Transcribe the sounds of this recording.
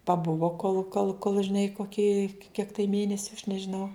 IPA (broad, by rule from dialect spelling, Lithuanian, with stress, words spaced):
pɐˈbʊʋoː koːlˠ koːlˠ koːlˠ ʒʲɪˈnɐɪ koːˈkʲiː kʲiɛk tɐɪ ˈmʲeːnʲɛsʲʊ ɐʃ nʲɛʒʲɪˈnɐʊ